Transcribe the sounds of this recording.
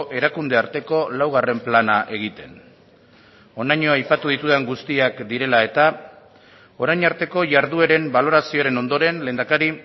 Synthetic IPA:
ʔe̞ɾakund̪eaɾt̪e̞ko̞lawɣ̞are̞mplanaʔe̞ɣ̞it̪e̞n | o̞najɲo̞ajpat̪uð̞it̪uðeŋɡust̪iakd̪iɾe̞lae̞t̪a | o̞ɾajɲaɾt̪e̞ko̞ʝaɾðueɾe̞mbalo̞ɾasioaɾe̞no̞nd̪o̞ɾe̞nle̞ːnd̪akaɾi

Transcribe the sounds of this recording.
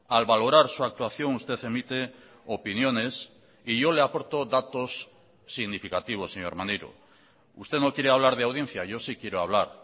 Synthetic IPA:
alβalo̞ɾaɾsuak̚t̪waθjo̞ŋust̪e̞θe̞mit̪e̞ | opinjo̞ne̞s | iʝo̞leapo̞ɾt̪o̞ðat̪o̞sː | iɣnifikat̪iβ̞o̞sːeɲo̞ɾmanejɾo̰ | ust̪e̞no̞kje̞ɾeaβ̞laɾðeawðje̞n̟θjaʝo̞sikje̞ɾoaβ̞laɾ

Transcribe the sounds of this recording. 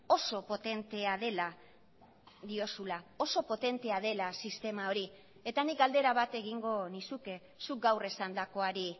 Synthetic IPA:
o̞so̞po̞t̪e̞nt̪e̞aðe̞la | ðio̞sulao̞so̞po̞t̪e̞nt̪e̞aðe̞lasist̪e̞mao̞ɾi | e̞t̪anik̚ɡald̪e̞ɾaβat̪e̞ɣiŋɡo̞nisuke̞ | suk̚ɡawre̞sand̪ako̞aɾi

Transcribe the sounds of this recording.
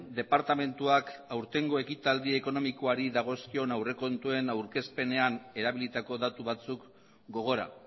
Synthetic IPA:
d̪e̞paɾt̪ame̞nt̪uakawɾt̪e̞ŋɡo̞e̞kit̪ald̪ie̞ko̞no̞miko̞aɾiðaɣ̞o̞skio̞nawre̞ko̞nt̪ue̞nawɾke̞spe̞ne̞ane̞ɾaβ̞ilit̪ako̞ðat̪uβat͡suk | ɡo̞ɣ̞o̞ɾa̰

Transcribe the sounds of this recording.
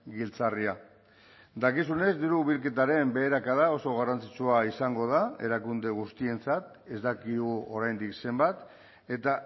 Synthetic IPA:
ɡilt͡saria | d̪akisune̞zd̪iɾuβilke̞t̪aɾe̞mbe̞ːɾakaðao̞so̞ɣ̞arant͡sit͡suaisaŋɡo̞ðae̞̰ɾakund̪e̞ɣ̞ust̪ie̞nt͡sat̪ | e̞zd̪akiuo̞ɾajnd̪ikse̞mbat̪ | e̞t̪a

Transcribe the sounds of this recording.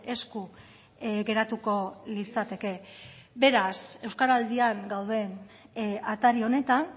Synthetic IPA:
e̞sku | ɡe̞ɾat̪uko̞lit͡sat̪e̞ke̞be̞ɾase̞wskaɾald̪iaŋɡawðe̞n | at̪aɾio̞ne̞t̪an

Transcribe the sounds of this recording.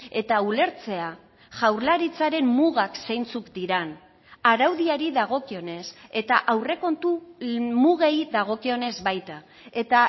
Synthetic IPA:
e̞t̪aule̞ɾt͡se̞a | ʝawɾlaɾit͡saɾe̞mːuɣaksejnt͡sukd̪iɾan | aɾawðiaɾiðaɣo̞kio̞ne̞se̞t̪aʔawre̞ko̞nt̪umuɣejðaɣ̞o̞kio̞ne̞zβajt̪a | e̞t̪a

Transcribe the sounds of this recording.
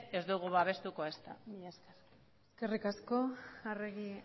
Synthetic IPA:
e̞zd̪uɣ̞uβaβ̞e̞st̪ukoest̪amiɲaskeɾ | eske̞rikasko̞areɣi

